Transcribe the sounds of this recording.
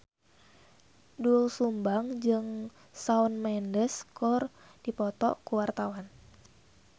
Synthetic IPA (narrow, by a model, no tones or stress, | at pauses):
dulsumbaŋd͡ʒɨŋ | saunmɛndɛskɔr | d̥ipɔt̪ɔʔkuwart̪awan